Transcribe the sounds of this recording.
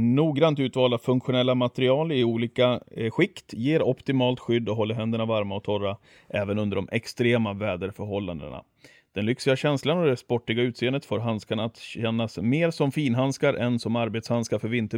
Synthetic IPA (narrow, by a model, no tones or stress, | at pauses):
nuːɡɾant̪ʉ̟ːt̪vɑːlafɵŋkɧʊnɛlːamat̪ɛɾɪɑːlɪuːliːkaɧɪkt̪jeːɾɔpt̪ɪmɑːlt̪ɧʏd̪ːɔɦɔlːəɾɦɛnd̪əɳavaɾmaɔt̪ʰɔra | ʔɛːvənɵnd̪əɖɔmʔɛkst̪ɾeːmavɛːd̪əɾfœɾɦɔlːa̰nd̪ə̰ɳa̰ | d̪̥ɛnlʏksɪɡaɕɛnslanɔd̪ɛspɔʈːɪɡaʉ̟ːt̪seːənd̪ət̪foːɾɦanskaɳaːt̪ɕɛnːasmeːɾsɔmfiːnɦanskaɾʔɛnsɔmaɾbeːt̪shanskaɾfœɾvɪnt̪ə